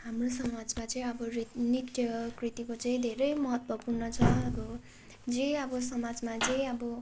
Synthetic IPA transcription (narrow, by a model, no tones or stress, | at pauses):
hamrosʌmad͡zmat͡sʌĩʌbʌrit̪nikjʌkrit̪ikot͡sʌĩd̪ʱeɾʌjmʌɦʌt̪wʌpurnʌt͡sʰʌʌbʌ | d͡zeʌbʌsʌmad͡zmat͡sʌĩʌbʌ